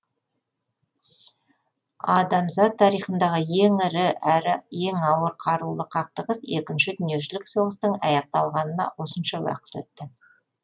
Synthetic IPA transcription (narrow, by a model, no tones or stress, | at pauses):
ɑd̪ɑmzɑt̪ʰːɑɾijχənd̪ɑʁəjeŋɪɾɪɾje̞ŋɑwəɾqʰɑɾulˠəqʰɑq̚t̪əʁəse̞kʲɪnʃɪd̪ʏnje̞ʒɪlɪkso̞ʁəst̪əɴɑ̰jɑq̚t̪ɑlˠʁɑnənɑ̰wo̞sənʃɑwɑ̰qə̥t̪ɵ̰t̪ːɪ